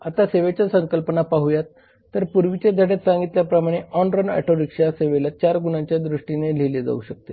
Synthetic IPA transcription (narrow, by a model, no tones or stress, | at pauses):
at̪aseʋet͡ɕjasəŋkəlpənapaɦujat̪ː | əɾpuɾʋit͡ɕed̪ʱəɽet̪sãŋɡit̪ljapɾəmaɽ̃eʔɔnɾənɛ̰ʈʰoɾikʂaseʋelat͡ɕaɾɡunãɲt͡ɕjad̪ɾuʂʈinel̤eled͡za̰ṵːɕək̚t̪e